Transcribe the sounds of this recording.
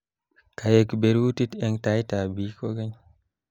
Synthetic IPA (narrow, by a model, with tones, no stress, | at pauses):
ka˨je˨kbe˨ɾu˦ti˦tɛ˦ŋta˦jta˨bi˦koɡe˦ɲ